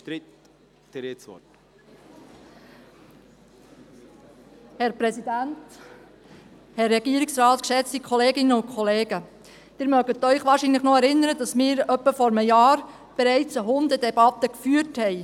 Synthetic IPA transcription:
ɾi | d̪̥ɾesʋɔ̰t | hɛɾpɾɛsid̪ænt | hɛrːɛɡiəɾiksɾɑːt̪kʃɛt͡st̪ikʰɔleːɡɪnəʊnkʰχɔleːɡ̥ə | d̥ɪːɾmœɡət̪œʏχʋɑːɾʃinləχnɔɛɾɪnəɾədɑsmɪːɾœpːəfɔɾməjɑːɾ | b̥ɛɾɛɪt͡səɦʊnd̪əd̪ɛbɑt̪ːəkfyːəthɛɪ

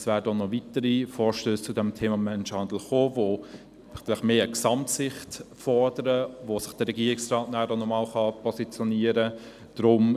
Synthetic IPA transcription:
svæːɾədɔnɔvitəɾifɔːɾʃtøːst͡sʊdɛmtʰeːmɑmɛnʃhɑndl̩χoːvo | ɡ̥lɪχmeːəksɑmtsɪχtfɔrdəɾəvosɪχd̥əɾɛɡiːəɪksrɑːtnæːdɔnɔmɑːlχɑpʰɔsit͡sjɔniːəɾə | d̥ɾʊm

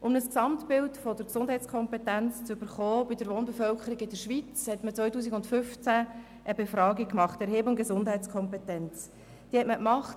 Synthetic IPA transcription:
ʔʊmnəsksɑmtpɪltfɔdəɾksʊnd̥ɦɛɪt͡skʰɔmpetænt͡st͡sʏb̥əɾχɔːb̥ɪdəɾʋoːnbefœlkʰəɾiɡɪd̥əɾʃʋit͡shɛtmət͡sʋœjtuːs̬iɡʊndfʏft͡sæ | ʔəbefɾɑːɡikmɑχtɛɾɦeːbʊnɡ̥ezʊndɦɛɪt͡skʰɔmpetɛnt͡s | d̥iːhɛtməkmɑχt

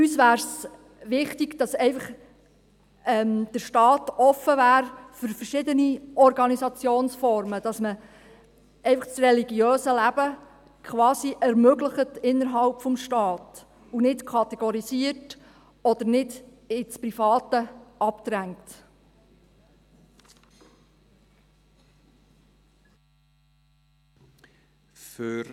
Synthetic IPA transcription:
ysʋæːɾs | ʋɪχtiɡd̥ɑsɛɪfɑχ | ɛmd̥əɾʃtɑːtɔfəvæːɾfʏɾfəɾʃɪdəniɔɾɡɑnisɑt͡sjoːnsfɔɾməd̥ɑsmə | ɛɪfɑχsrɛliɡjøːsəlæb̥ə | kʰχʋɑːsiʔɛɾmøɡləχətɪnːəɾɦɑlpfɔmʃtɑːt | unɪtkʰɑt̪ɛɡ̥ɔɾisiət | ɔd̪əɾnɪd | ɪt͡spɾifɑːt̪əɑpt̪ɾæŋt | fø

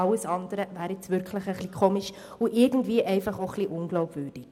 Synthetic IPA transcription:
ɑləsɑndəɾəvæːɾɪt͡svʏɾkʰləχəχlikʰoːmiʃ | uʔɪɾɡən̩tviəʔɛɪfɑχoχliʔʊnɡlɔʊbvʏːrd̥ɪ

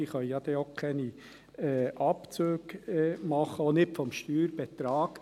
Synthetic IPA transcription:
iːχœʏjɑd̪ɛokʰɛni | ɛʔɑpt͡søːɡɛmɑχəonɪtfɔmʃtyːɾb̥ɛt̪ɾɑːɡ̥

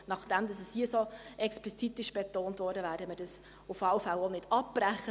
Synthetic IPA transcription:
nɑχd̥ɛmd̪ɑsɛshiəsoɛksplit͡sit̪ːɪʃb̥etoːntvɔːɾdəvæːɾdəmədɑs | ʊfɑlfælonɪd̥ɑpːræχə

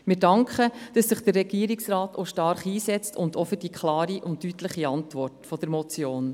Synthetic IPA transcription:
mɪɾdɑŋkʰχəd̥ɑsːɪχd̥ərːɛɡ̥iəɾiksrɑːtoʃtɑɾχiːsɛt͡stʊndofəd̥ikχlɑːɾiʔʊntːytləχiɑntʋɔrtfɔd̥əɾmɔt͡sjoːn

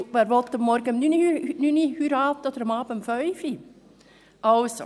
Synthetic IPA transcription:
ʋɛɾʋɔt̪ːəmːɔɾɡəmnyninynihyɾɑːt̚od̥̪əɾəmɑːbəmfœʏfi | ɑwso

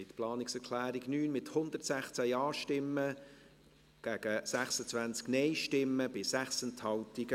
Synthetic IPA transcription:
ɪt̪plɑːnɪksɛkʰlæːɾiɡnyːnmɪt̪hʊnd̪ərtsæχt͡sæjɑːʃtɪmːə | ɡ̥æɡ̥əsæχsət͡svʋænt͡sknɛjʃtɪmːəb̥ɪsæχsɛnthɑwtiɡə

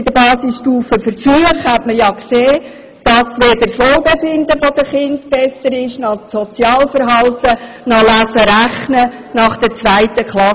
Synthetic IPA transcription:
ɪd̥əbɑːsɪsʃtuːfəfəɾfyəχhætməjɑkseː | d̥ɑsʋeːdəɾsʋolˠbefɪnd̪əfɔd̪əχɪndb̥ɛsəɾɪʃnɑsɔt͡sjɑːlfəɾɦɑltə | nɑlæsəɾæχnənɑχd̥ɛt͡sʋæɪtəkχlɑ

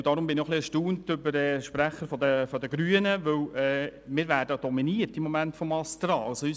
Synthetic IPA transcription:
dɑːɾʊmbɪnɪoχliɛɾʃtuːntʏbəɾɛːʃpɾæχəɾfɔd̪əfɔd̪əɡɾyːənəʋɵwɛːmɪːɾʋæːɾdəd̥ɔminiəɾtimːɔmæntfɔmɑst̪ɾɑːlsɔy

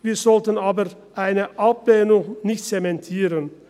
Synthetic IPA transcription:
viːɐzɔltənaːbə | ʔaɪnəʔapleːnʊŋnɪçtt͡semɛntʰiːʁən

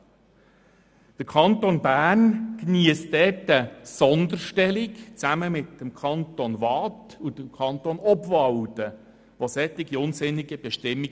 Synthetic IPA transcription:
d̥əɾkʰɑnt̪onbæːrnkniəstd̪ɛtəsɔnd̪əɾʃtɛlikt͡sæməmɪt̪ːəmkʰɑnt̪onvɑtud̥əkʰɑnt̪oːnɔbvɑwtə | ʋosɛtːɪɡiʊnsɪnːiɡəb̥ɛʃtɪmːi

